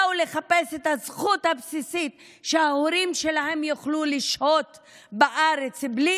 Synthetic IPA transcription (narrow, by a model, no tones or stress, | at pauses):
ule̞χape̞set̪hazχut̪habsisit̪ | ʃehaoɾimʃe̞lahe̞mjuχluliʃʔot̪ | baʔaɾet͡sbli